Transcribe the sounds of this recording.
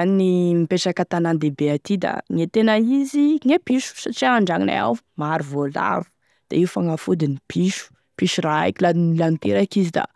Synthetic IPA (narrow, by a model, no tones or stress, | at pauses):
aninimipeʈ͡ʂakat̪anand̪ebeat̪id̪a̰ŋet̪enaiziŋepiʃu̥saʈ͡ʂiaaɳɖ͡ʐaŋina̰a̰wmaɾuvola̰ɾu̥ | d̪̥aiufaŋafud̪inipʰiʃu̥ | piʃuɾaa̰kilad̪inilant̪ḛɾakizid̪a̰